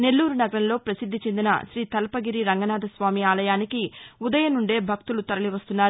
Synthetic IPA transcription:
ne̞lːuːɾunɐɡɐɾɐnlo̞ːpɾɐsid̪ːit͡ʃe̞nd̪inɐ̰ʃɾiːt̪ɐlpɐɡiɾiɾɐŋɡɐnaːd̪ʱɐsʋaːmiaːlɐjaːnikiud̪ɐjɐnuɳɖe̞ːbʱɐk̚t̪ulut̪ɐɾɐliʋɐst̪unːaːɾ

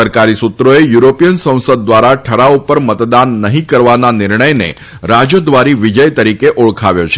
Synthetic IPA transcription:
əɾkaɾisut̪ɾoejuɾopijənsə̃w̃səd̪̚ːʋaɾaʈʰəɾaupəɾmət̪d̪anːəɦĩkəɾʋananɪɾɳəjnḛ | ɾad͡ʒod̪ʋaɾiʋid͡ʒəjt̪əɾikeʔuɭkʰaʋjot͡ʃʰe

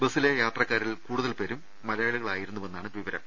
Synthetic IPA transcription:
bɐsile̞jaːt̪rɐkːaːɾilkuːɽuðɐlpe̞ːɾumːɐlɐjaːɭuɣɐɭaːjiɾunːuʋe̞nːaːɳɨʋiʋɐɾɐ̰m

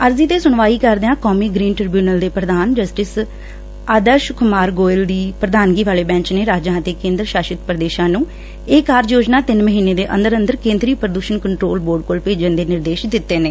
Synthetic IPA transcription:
əɾziːt̪eːsʊɳʋaːiːkəɾd̪eãːkɔːmiːɡɾiːnʈɾɾbjuːnəld̪eːpɾəd̪aːnd͡ʒəsʈɪs | əːd̪əʃʊkʊmaːɾɡoːɪld̪iːpɾəd̪aːnɡiːʋaːleːbɛ̃ːɲt͡ʃneːɾaːd͡ʒãːt̪eːkẽːnd̪ɾʃaːʃɪt̪pɾəd̪eːʃãːnũː | eːkaːɾjoːd͡ʒnaːt̪ɪnməɦiːneːd̪eːʔənd̪əɾənd̪əɾkẽːnd̪ɾiːpɾəd̪uːʃənkəɳʈɾoːlboːɾɖ̚koːlpeːd͡ʒənd̪eːnɪɾd̪eːʃd̪ɪt̪ːeːneː

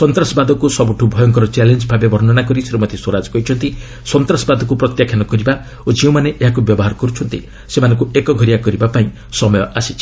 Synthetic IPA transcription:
sɔnt̪ɾasɔbad̪ʱɔkusɔbuʈʰubʱɔjɔŋkɔɾɔt͡ʃalend͡ʒbʱabebʱɔɾnɔnakɔɾiseɾumɔt̪ʰeswɔɾad͡ʒɔ̥kɔɦit͡ʃʰɔnt̪i | sɔnt̪ɾasbad̪ʱɔk̬upɾɔt̪jakʰjanɔkɔɾiba | od͡ʒiw̃maneʔeɦakubjɔbɔɦaɾɔkɔɾut͡ʃʰɔnt̪ḭ | semanɔ̃ŋkuekɔɡʱɔɾijakɔɾibapaĩ | sɔmɔjɔʔasit͡ʃʰi̥

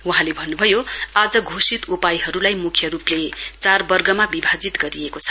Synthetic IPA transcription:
wuɦãlebʱʌnːubʱʌjoad͡zʌɡʱosit̪upajɦʌɾulajmukʰjʌɾuplet͡sarbʌrɡʌmabibʱad͡zit̪ɡʌɾiekot͡sʰʌ̥

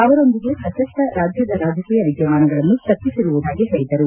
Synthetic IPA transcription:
ɐʋɐɾo̞nd̪iɡesɐt̪ɐsʈɐɾaːd͡ʒjɐd̪ɐɾaːd͡ʒʱɐkiːjɐʋiɡjɐʋaːnɐɡɐɭɐnːuʃɐt̪ːisiɾuʋud̪ʱaːɡisɐɭid̪ɐɾu

